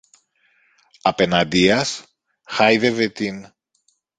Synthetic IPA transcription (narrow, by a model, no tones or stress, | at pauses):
ɐpe̞nɐd̪iɐs | xɐjðe̞vet̪in